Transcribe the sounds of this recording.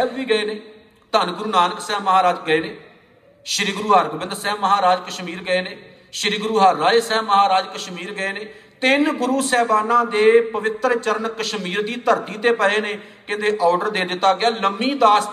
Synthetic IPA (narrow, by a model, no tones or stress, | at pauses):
bʋiːɡəeːneː | t̪ənɡʊɾuːnaːnəksɛːməɦaːɾaːd͡ʒɡəeːneː | ʃɪɾiːɡʊɾuːɦaːɾɡbɪ̃nd̪sɛːməɦaːɾaːd͡ʒkəʃmiːɾɡəeːneː | ʃɪɾiːɡʊɾuːɦaɾːaːeːsɛːmːəɦaːɾaːd͡ʒkəʃmiːɾɡəeːneː | t̪ɪnɡʊɾuːsɛːʋaːnãːd̪eːpəʋɪt̪ɾt͡ʃəɾənkəʃmiːɾd̪iːt̪əɾt̪iːt̪eːpəɦeːneː | kɪ̃ːnd̪eːʔɔːɖəɾd̪eːd̪ɪt̪ːaːɡɪaːləmĩːd̪aːs